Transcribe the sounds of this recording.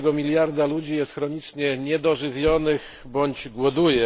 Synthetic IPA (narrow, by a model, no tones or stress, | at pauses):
ɡɔmʲilʲjaɾd̪alud͡ʑijɛst̪xɾɔɲit͡ʂɲɛɲɛd̪ɔʐɘvʲjɔnɘx | bɔɲd͡ʑɡwɔd̪ujɛ